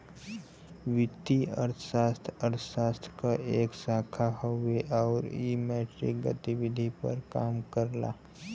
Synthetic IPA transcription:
ʋɪt̪ːiə̰ɾʰʃaːst̪ʰəɾʰsaːst̪ʰkaʔeːksaːkʰaɦəweʔɔːɾḭmɛːʈɾɪ̰k̚ɡə̰t̪iʋɪd̪ʱipə̰ɾkaːmkəɾla̰ː

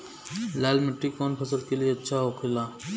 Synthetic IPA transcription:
laːlmɪʈːikːɔːnpʰɐsəɾkelijeɐtːʃʰaɦokʰilaː

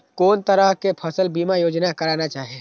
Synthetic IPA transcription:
koːnt̪əɾəɦkepʰɐsəlbiːmajoːd͡ʒnakɐɾaːnat͡ʃaːɦeː

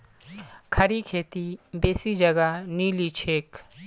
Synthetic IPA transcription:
kʰɐɾikʰeːt̪ibeːsid͡ʒəɡaniːlit͡ʃʰeːk

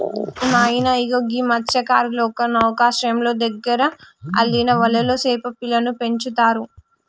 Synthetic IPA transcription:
imaːjinɐiɡoɡimɐtʃɐkaːɾlɔːkɐnɐʋɐkaːʃɐjɐmlo̞ːd̪ɐɡːɐɾɐɐ̰lːinɐʋɐlːɐloːseːpɐpilɐnupe̞ɲt͡ʃut̪aːɾu

